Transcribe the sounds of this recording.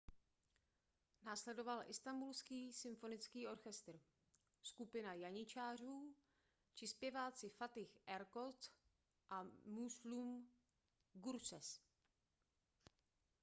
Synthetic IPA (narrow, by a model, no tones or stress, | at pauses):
naːslɛdo̞valʔɪst̪ambulskiːsɪmfo̞nɪt͡skiːo̞ɾxɛst̪r̩ | skupɪnajaɲɪt͡ʃaːr̝uː | t͡ʃɪspjɛvaːt͡sɪfat̪ɪxʔɛɾko̞t͡s | ʔamuslum | ɡuɾsɛ̰s